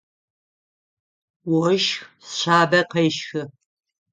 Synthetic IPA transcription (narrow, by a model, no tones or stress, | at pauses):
wɔʃxsɕaːbɐqɐjʃxɨ